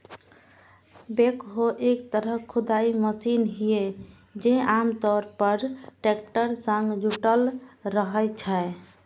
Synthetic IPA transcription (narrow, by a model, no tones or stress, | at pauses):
bekɦoʔekt̪əɾəɦkʰud̪aiməsinɦije | d͡ʒẽamt̪ɔɾpəɾʈekʈəɾsə̃ŋɡd͡ʒuʈəlɾəɦət͡ʃʰɛ